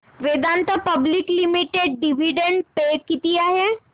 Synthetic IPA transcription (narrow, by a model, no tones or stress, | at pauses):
ʋed̪aːnt̪apɐbliklimiʈeɖɖiʋiɖẽɳɖpekit̪ijaɦɛ